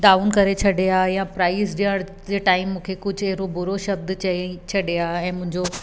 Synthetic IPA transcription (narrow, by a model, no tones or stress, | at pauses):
d̪aːʋunkɐɾet͡ɕʰɐɖeaːjãpɾaːɪzɗiəɽ̃ | d͡ʑeːʈaːɪmːũːkʰekʊd͡ʑʱɛɦɾobʊɾoʃɐb̚d̪t͡ɕɐit͡ɕʰɐɗeaːɛ̃ːmʊ̃ɦɪ̃ɲd͡ʑo